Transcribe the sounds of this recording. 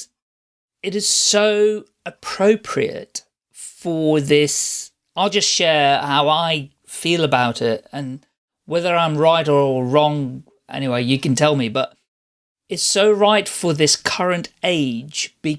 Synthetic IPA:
ɨɾɨz̥soʊ | ɨpʰɹ̥oʊpʰɹḭɨ̰t | fə˞ðɪs | aɪlˠd͡ʒʌstʃɛɹhaʊaɪ | filˠəbaʊɾɪt̚ɨ̃n | wɛðə˞ãɪ̃mɹaɪɾə˞ɹɔ̃ŋ | ʔɛ̰ñiweɪjɨkn̩tʰɛlˠmibʌɾ | ɨtsoʊɹaɪtfə˞ðɪskʰʌɹɨ̃nteɪd͡ʒb̥ɨ

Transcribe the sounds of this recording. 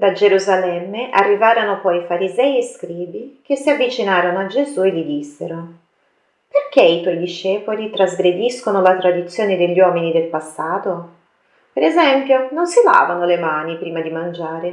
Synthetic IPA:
d̪ad͡ʒeɾuzalɛmːeʔarːivaːɾonopɔjifaɾizɛjeskɾiːbikesːiavːit͡ʃinaːɾonoad͡ʒezuelːid̪isːeɾo | perkeit̪wɔjd̪iʃːɛːpolit̪ɾazɡɾed̪iskonolat̪ɾad̪it̪sːjoːned̪eʎːwɔːminid̪elpasːaːt̪o | peɾezɛmpjononsila̰ːvanolemaːnipɾiːmad̪imand͡ʒaːɾe

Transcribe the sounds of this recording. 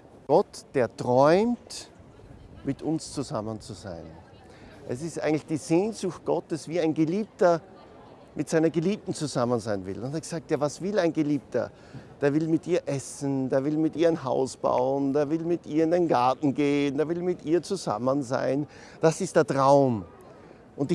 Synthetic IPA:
ɡ̥ɔtd̥eːɐtʁ̥ɔʏmt | mɪtʰʊnst͡suzamənt͡suza̰ɪn | ʔɛsɪstʔaɪɡŋ̩tlɪçd̥iːz̥eːnzʊxt̚ɡ̥ɔtəsv̥iːaɪnɡeliːp̚tɐ | mʔɪtz̥aɪnɐɡeliːp̚tn̩t͡suzamənzaɪnvɪ̰lʊnteɐɡ̥z̥aːk̚tjaːvasv̥ɪlaɪnɡeliːp̚tɐ̰ | d̥eːɐvɪlmɪtʔiːɐʔɛsn̩d̥eːɐvɪlmɪtʔiːɐaɪnɦaʊsb̥a̰ʊənd̥eːɐvɪlmɪtʔiːɐɪndenɡaɐtn̩ɡeːəndeːɐvɪlmɪtʔiːɐt͡suza̰mənza̰ɪn | d̥asɪst̚d̥eːɐtʁaʊm | ʔʊntɪ

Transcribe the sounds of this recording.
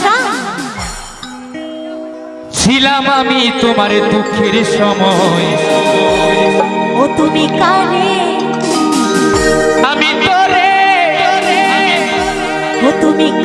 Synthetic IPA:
a | t͡ɕʰilamamit̪omaɾed̪ukʰːeɾeʃɔmɔj | ot̪umikaɾe | amit̪ɔɾe | ɾe | ot̪umik

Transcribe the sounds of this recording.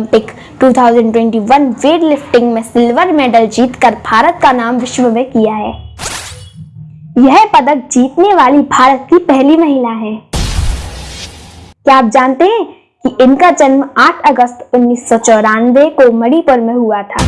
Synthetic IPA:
mpɪk | ʈuːt̪ʰaːʊzə̃ɳɖʈwɛ̃ːɳʈiʋɐnʋeːɖlɪfʈɪ̃ŋɡmẽsɪlʋəɾmɛːɖəld͡ʒiːt̪kəɾbʱaːɾət̪̚kanaːmʋɪʃʋəmẽkijaɦɛː | jɛɦpɐd̪ək̚d͡ʒiːt̪neʋaːlibʱaːɾət̪̚kipɛɦlimɐɦɪlaɦɛ̃ː | kjaaːp̚d͡ʒaːnt̪eɦɛ̃ | kiʔɪnkad͡ʒɐnmaːʈʰɐɡəst̪ʊnːiːsːɔt͡ʃɔːɾaːnʋekomɐɽipəɾmẽɦuat̪ʰa̰ː

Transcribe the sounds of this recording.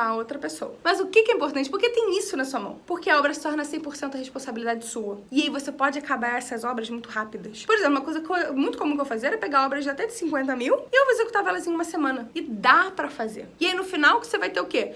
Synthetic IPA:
ɐowt̪ɾɐpesowɐmɐzʊkɪkɛɛĩmpoɾt̪ɐ̃nt͡ʃɪpoɾket̪ẽj̃isʊnɐsuɐmɐ̰̃w̃poɾkeɐɔbɾɐsɪ̥t̪ɔɾnɐsẽj̃poɾsẽnt̪ʊd̪ɐheʃpõsabilid̪ad͡ʒɪsuɐɪaivosepɔd͡ʒɪakabaɾɛsɐzɔbɾɐzmũj̃t̪ʊhapid̪ɐspoɾezẽplumɐkojzɐkomũj̃t̪ʊkõmũkewfazeɛɾɛpeɡaɔbɾɐzd͡ʒɪat̪ɛd͡ʒɪ̥sĩkwẽnt̪ɐmiwɪewvoezeku̥t̪aɾvɛlɐzĩɲɐũmɐsemɐ̃nɐɪd̪apɾɐfazḛɾɪainʊfinawkɪ̥sevajt̪eʊke

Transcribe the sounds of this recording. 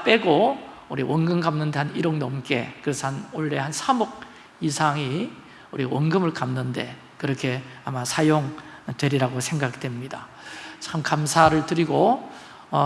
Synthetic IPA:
p͈e̞ɡo | uɾiwʌŋɡɯmɡamnɯnde̞haniɾoŋnʌmk͈e̞̰kɯɾe̞sʰʌhanoɭːe̞hansʰamoɡ̚ | isʰaŋi | uɾiwʌŋɡɯmɯɭkamnɯnde̞̰ | kɯɾʌkʰe̞amasʰajoŋtwe̞ɾiɾaɡosʰe̞ŋɡaɡidwemɲida | t͡ɕamkamsʰaɾɯɭtɯɾiɡo | ʌ

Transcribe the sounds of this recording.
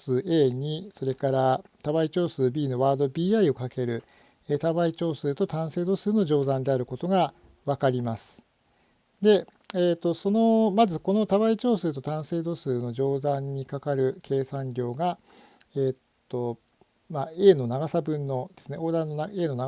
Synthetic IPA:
sɨːe̞ːɲ̟iso̞ɾe̞kaɾat̪aβait͡ɕo̞ːsɨːbʲiːno̞βaːd̪o̞bʲiːaio̞kake̞ɾɯ̟ | et̪aβait͡ɕo̞ːsɨːt̪o̞t̪ãɰ̃se̞ːd̪o̞sɨːno̞ʑo̞ːzãnd̪e̞aɾɯ̟ko̞t̪o̞ɡa | βakaɾʲimasɨ̥ | d̪e̞ | eːt̪ːo̞so̞no̞mazɨko̞no̞t̪aβait͡ɕo̞ːsɨːt̪o̞t̪ãɰ̃se̞ːd̪o̞sɨːno̞ʑo̞ːzãɲ̟ːikakaɾɯ̟kʰe̞ːsãɲɾʲo̞ːɡa | eːt̪ːo̞ | mae̞ːno̞naɡasabɯ̟̃nːo̞d̪̥e̞sɨneo̞ːd̪ãnːo̞nae̞ːno̞na

